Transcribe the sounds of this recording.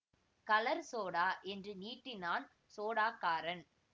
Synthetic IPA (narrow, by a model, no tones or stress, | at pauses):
kɐlɐɾsoːɽaːʔɛndrɯniːʈːɪnaːn | soːɽaːkːaːɾɐn